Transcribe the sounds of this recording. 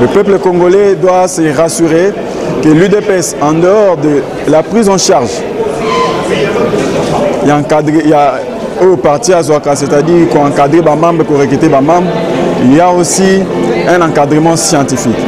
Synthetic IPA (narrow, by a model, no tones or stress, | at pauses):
ləpøpləkɔ̃ŋɡolɛd̪wasəʁasyʁe | kəlyd̪epɛsɑ̃d̪əɔʁd̪ə | lapχizɑ̃ʃaʁʒ | ãkad̪ʁea | opaʁt̪iazwakasɛt̪ad̪iʁkɔɑ̃kad̪ʁebamɑ̃mbʁəpuʁekit̪ebamɑ̃mbʁiljaosiɛ̃nɑ̃kad̪ʁəmɑ̃sjɑ̃t̪ifik